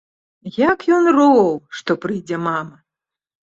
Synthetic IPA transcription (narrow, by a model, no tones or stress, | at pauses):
jakjɔnrɔwʂt̪ɔpɾɨjd͡zʲɛmamɐ